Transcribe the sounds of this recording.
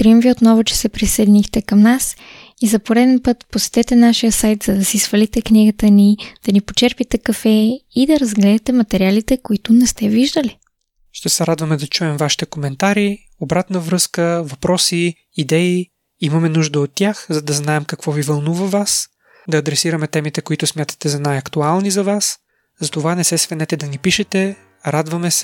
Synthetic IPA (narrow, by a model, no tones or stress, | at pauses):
t̪ɾimviot̪nɔvʊt͡ʃɛ̥sɛpɾisɛd̪inixt̪ɛkɐmnas | izɐpoɾɛd̪ɛnpɤt̪posɛ̥t̪ɛt̪ɛnaʃijəsajt̪zɐd̪ɐsisvɐlit̪ɛkniɡət̪ənid̪̥ɐnipot͡ʃɛɾpit̪ɛkɐfɛid̪ɐɾɐzɡlɛd̪ɛt̪ɛmɐt̪ɛɾialit̪ɛkoit̪ʊnɛst̪ɛviʒd̪əli | ʃt̪ɛsɛɾad̪vəmɛd̪ɐt͡ʃuɛmvaʃi̥t̪ɛkomɛnt̪aɾi | obɾat̪nəvɾɤskəvɐpɾɔsi | id̪ɛi | imɐmɛnuʒd̪əot̪ːjaxzɐd̪ɐznaɛmkɐkvɔvivɐlˠnuvɐvas | d̪ɐːd̪ɾɛsiɾɐmɛt̪ɛmit̪ɛkoit̪ʊsmʲjat̪ə̥t̪ɛzɐnajɐkt̪ualˠnizɐvas | zɐt̪ovanɛsɛsvɛnɛt̪ɛd̪ɐnipiʃɛt̪ɛ | ɾad̪vɐmɛsɛ̥